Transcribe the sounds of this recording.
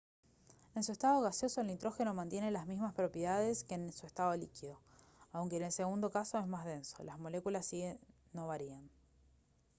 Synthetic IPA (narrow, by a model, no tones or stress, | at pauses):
e̞nsue̞st̪aðo̞ɣ̞asjo̞soelint̪ɾo̞xe̞no̞mãnt̪je̞ne̞lazmizmaspɾo̞pjeðaðe̞skenesue̞st̪aðolikiðo̞ | awŋkeːnelse̞ɣund̪o̞kaso̞ezmazð̞e̞nso̞̰lazmo̞le̞kulasːiɣe | no̞βaɾian